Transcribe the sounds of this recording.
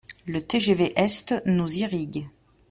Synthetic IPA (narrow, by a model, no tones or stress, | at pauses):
lət̪eʒeveʔɛst̪nuziʁiɡ